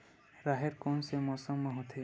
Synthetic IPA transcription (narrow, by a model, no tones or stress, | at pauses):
ɾaɦeɾkonsemɔːsəmːɐɦot̪ʰe